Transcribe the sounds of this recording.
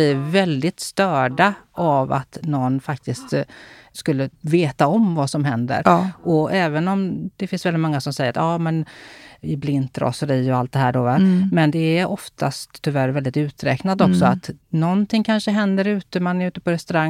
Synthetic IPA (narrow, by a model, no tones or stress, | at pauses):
lɪɾvɛld̪ɪt̪st̪œːɖaava̰t̪nɔnːfak̚t̪ɪst̪ | skɵlːəveːt̪aɔmvasɔmɦɛnd̪ə̰ɾɔɛːvənɔmd̪̥ɛfɪnsvɛlɪt̪mɔŋːasɔmsɛjəɾat̪ɑːmɛnɪblɪnt̪ɾɔ̰səɾiːɔalt̪̚d̪ɛɦæːɖɔvamɛnd̪ɛæʔɔft̪ʰa̰st̪ʰːʏvæɾvɛlɪt̪ʉ̟ːt̪ɾɛːknad̪ɔksɔat̪nɔnt̪ʰɪŋkʰanʂəɦɛnd̪əɾʉ̟ːt̪əmanæɾʉ̟ːt̪ə̥pɔɾɛst̪ɵɾaŋː